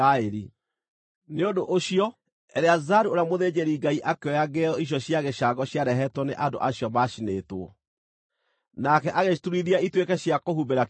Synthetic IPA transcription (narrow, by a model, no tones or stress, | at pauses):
aeɾi | neondoʔoɕiɔ | ɛɾeazaɾuoɾjamoðed͡ʑeɾiŋɡaiʔakeɔjaɡeɔiɕ̬jɔɕjaɣeɕaɡɔɕjaɾɛɦɛtwɔneʔando̰ʔaɕjɔmaʃinetwɔ | nakɛʔaɣetuɾiðiaitwekɛɕjakohubeɾa